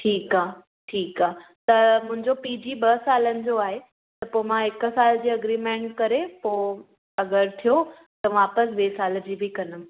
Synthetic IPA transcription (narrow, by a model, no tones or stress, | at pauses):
ʈʰiːkaː | ʈʰiːkaːɦt̪ɐmʊ̃ɦɪ̃ɲd͡ʑopiːd͡ʑiːɓɐsaːlənɪ̆d͡ʑoaːɦe | t̪ɐpoːemãɪksaːld͡ʑiːɐɡɾiːmẽːɳʈkɐɾepoː | ɐɡəɾt̪ʰijo | t̪ɐʋaːpəsʋeːsaːld͡ʑiːbɪkɐnəm